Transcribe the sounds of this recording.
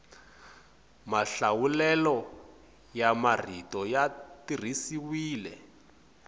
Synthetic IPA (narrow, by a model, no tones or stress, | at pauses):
maɬawulɛlɔ | jamar̤itɔjatir̤isiwiːlɛ̰